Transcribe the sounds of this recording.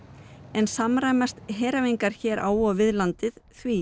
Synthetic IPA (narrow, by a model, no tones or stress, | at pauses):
ɛnsamɾaːjmast̪ɦɛːɾavejŋkaɾ̥çɛːɾʔa̰ːwɔvɪðlant̪ɪðθvi